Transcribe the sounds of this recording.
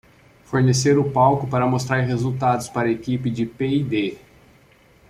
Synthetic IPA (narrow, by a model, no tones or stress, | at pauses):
foɾneseɾʊpawkʊpaɾɐmost̪ɾaɾɦezuwt̪ad̪ʊspaɾɐekipɪd͡ʒɪpeid̪e